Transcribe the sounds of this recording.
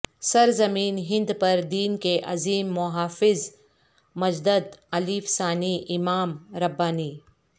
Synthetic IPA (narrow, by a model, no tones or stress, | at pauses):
sɐɾzɐmiːnɦɪ̃nd̪pɐɾd̪iːnkeʔɐziːmːʊɦaːfɪz | mɐd͡ʒd̪əd̪ɐliːfsaːniʔɪmaːmɾɐbːaːniː